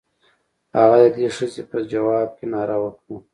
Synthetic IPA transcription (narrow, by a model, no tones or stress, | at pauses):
haɣad̪ad̪eʂəzepəd͡ʒawɑːb̚kʲenɑɾawəkɽu